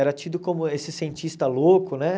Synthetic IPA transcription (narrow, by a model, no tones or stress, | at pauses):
ɛɾɐt͡ʃid̪ʊkõmʊesɪsẽnt͡ʃist̪ɐlokʊnɛ